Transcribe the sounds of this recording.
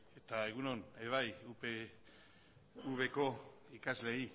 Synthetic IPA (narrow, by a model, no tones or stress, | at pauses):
e̞t̪ae̞ɣ̞uno̞neβajupe | uβe̞ko̞ikazle̞i